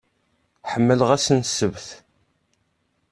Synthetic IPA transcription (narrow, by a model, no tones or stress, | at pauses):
ħəmːələʁæsənsəvθ